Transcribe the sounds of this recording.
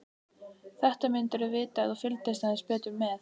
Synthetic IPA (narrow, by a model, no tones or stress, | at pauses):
θɛht̪amɪnt̪ɛɾʏvɪːt̪aːθufɪlt̪est̪aðɛnspɛːt̪ʏmːɛθ